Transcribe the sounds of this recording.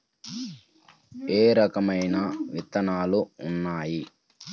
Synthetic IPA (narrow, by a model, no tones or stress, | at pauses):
eːɾɐkɐmɐjnɐʋit̪ɐnaːluːnːaːji